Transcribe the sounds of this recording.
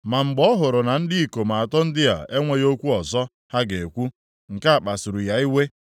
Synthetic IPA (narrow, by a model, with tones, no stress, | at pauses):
ma˨ŋ͡m̩˨ɡ͡bɔ˦ɦʊ˨ɾʊ˨na˨n̩˦dɪ˦i˨ko˨ma˨a˨tɔ˦n̩˦dɪ˦ja̰˨e˦ŋʷe˨jo˦kʷu˦ɔ˨zɔ˦ | ha˦ɡe˨e˨kʷu˦ | ŋ̩˨ka˦a˨k͡pa˨sʊ˨ɾʊ˨ja˨i˦we˦